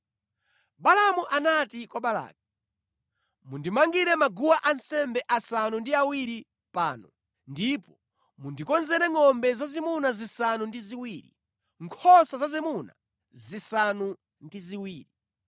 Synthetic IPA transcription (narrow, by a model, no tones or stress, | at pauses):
ɓalamuʔanatikwaɓala̰ːk̚i | mundimaŋɡiɾɛmaɡuwaʔansɛmbɛʔasanundiawiɾi | paːnɔ̰ | ndipɔ | mundikɔnzɛɾɛŋɔmbɛzazimunazisanundiziwiːɾḭ | ŋkʰɔsazazimuna̰ | zisanu | ndiziwiːɾi